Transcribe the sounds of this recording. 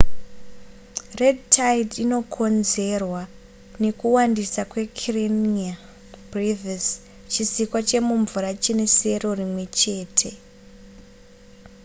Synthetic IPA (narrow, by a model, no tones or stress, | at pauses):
re̞dtʰajidino̞kʰo̞nze̞rwa | ne̞kuwandisakwe̞kʰrenia | briðas | t͡ʃisikwat͡ʃe̞muɱvuɾat͡ʃine̞se̞ro̞rimwe̞t͡ʃe̞ːtʰe̞